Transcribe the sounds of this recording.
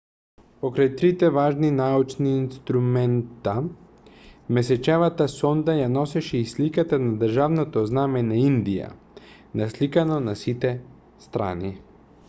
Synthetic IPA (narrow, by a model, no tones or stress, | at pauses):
pɔkɾajt̪ɾit̪ɛvaʒninaut͡ʃniːnst̪ɾumɛnt̪a | mɛsɛt͡ʃɛvat̪asɔnd̪ajanɔsɛʃɛislikat̪anad̪ɾ̩ʒavnɔt̪ɔznamɛnaind̪ija̰ | naslikanɔnasit̪ɛ | st̪ɾa̰ni